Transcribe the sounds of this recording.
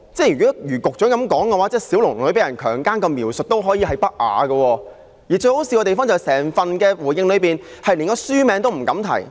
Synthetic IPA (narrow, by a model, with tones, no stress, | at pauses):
t͡sɛː˥˩jyː˨˩ɔ˨˥jyː˨˩kʊ˨k̚t͡ʃœː˨˥ŋkɐ˨˥mkɔː˨˥ŋkɛ˧waː˨˥t͡sɛː˥siː˨˥wlŋ˨ŋlɵ˨˧˥p̬jɐ˨˩nkʰœː˨˩ŋkaː˥nkɔ˧miː˨˩wsɵ˨t̚t̪o˥wɦɔː˨˥jiː˨˧hɐ˨jpɐ˥k̚ʔa̰ː˨˧ɡɐ˧wɔː˧ | jiː˨˩t͡ʃɵ˧ɥho˨˥wsiː˧kɔː˧t̪e˨fɔː˥ŋt͡sɐ˨˩sɛː˨˩ŋfɐ˨nkɛː˧wuː˨˩jɪ˧ŋlɵ˨˧ɥpiː˨˩nhɐ˨jliː˨˩nkɔː˧syː˥mɛː˨˧ŋt̪o˥wm̩˨˩kɐ˨˥mt̪ʰɐ̰˨˩j